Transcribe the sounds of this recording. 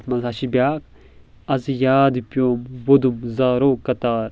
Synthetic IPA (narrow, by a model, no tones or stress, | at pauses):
t̪ʰmɐnsaːʃibʲjaːkʰ | ɐzijaːd̪ipjoːmwod̪umzaːɾoːkɐt̪aːɾ